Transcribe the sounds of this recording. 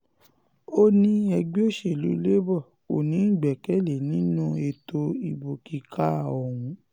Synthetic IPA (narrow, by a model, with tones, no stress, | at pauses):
o˦nĩ˦ɛ˧ɡ͡bi˦o˦˨ʃe˨lu˨˦le˦bɔ˦˨ | o˨nĩ˨˦˨ɡ͡bɛ˨kɛ˦le˨nĩ˦nũ˦e˧to˧i˨bo˨ki˨˦ka˦˨ɔ˨w̃ũ˨˦